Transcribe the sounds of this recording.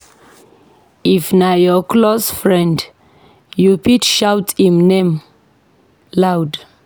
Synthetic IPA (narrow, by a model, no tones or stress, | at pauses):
ifnajɔkʰlosfɹɛ̃nd | jupitʃawtĩmnẽm | lawd